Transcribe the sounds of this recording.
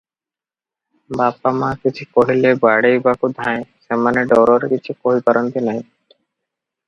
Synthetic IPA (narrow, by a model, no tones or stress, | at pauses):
bapamãkit͡ɕʰikoɽilebaɽejbakud̪ʱãẽsemaneɖɔɾoɾkit͡ɕʰukoɦipaɾant̪inaj̃